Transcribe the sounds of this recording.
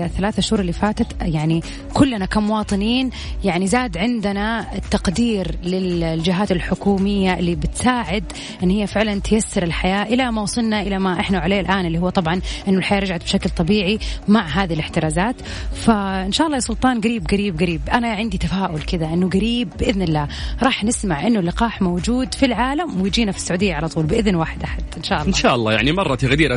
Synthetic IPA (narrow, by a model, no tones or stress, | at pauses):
θːalaːθaʔaʃhuːɾˤɪlːifaːt̪at̪jaʕni | kʊlːanakamːʊwɑːt̪ˤɨniːn | jaʕnizaːd̪ʕɪnd̪anaɪt̪ːaqd̪iːɾlɪlld͡ʒɪɦaːt̪ɪlħʊkuːmɪjːaʔɪlːibɪt̪saːʕɪd̪ | ʔɪnːhɪjːafɪʕlant̪jasːɑɾɪlħajaːʔɪlamawsˤɨlnaʔɪlamaʔɪħnaʕaleːlʔaːnɪlːihʊwːat̪ˤɑbʕɑnʔɪnːʊlħajaːɾˤɑd͡ʒʕat̪̚bʃaklt̪ˤɑbiːʕimaʕɦaːðilɪħt̪ɪɾaːzaːt̪ | faʔɪnʃaːʔɑlˤːɑːjasˤʊlt̪ˤɑːnɡaɾiːbɡaɾiːbɡaɾiːbʔanaʕɪnd̪it̪afaːʔʊlkɪðaʔɪnːʊɡaɾiːbːʔɪðnɪlːaːɾˤɑːħnɪsmaʕʔɪnːʊlːɪqɑːħmowd͡ʒuːd̪filʕaːlamwɪjd͡ʒiːnafi̥sːaʕuːd̪ɪjːaʕalɑt̪ˤuːlbɪʔɪðnwaːħɪd̪ʔaħad̪̥ʔɪnʃaːʔɑlːˤɪnʃaːʔɑlˤːɑ̰ːja̰ʕnimɑrˤːɑt̪ɪɣd̪iːɾa